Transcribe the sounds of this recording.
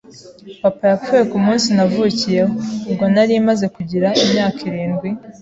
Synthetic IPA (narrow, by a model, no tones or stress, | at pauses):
papajafuje̞kumuːnsinavuːcije̞hoːbɡo̞naɾimaze̞kuɟiɾaimɲaːkʰiɾiːnɡwi